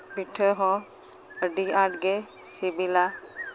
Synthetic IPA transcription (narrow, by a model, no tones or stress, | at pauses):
biʈʰəɦɔ̃ | əɖiaʈɡe | sibila